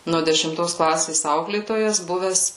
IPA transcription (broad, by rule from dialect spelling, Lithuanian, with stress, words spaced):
nuɔ dʲɛʃʲɪmˈtoːs ˈklˠɑːsʲeːs ˈɐʊklʲeːtoːjɛs ˈbʊʋʲɛs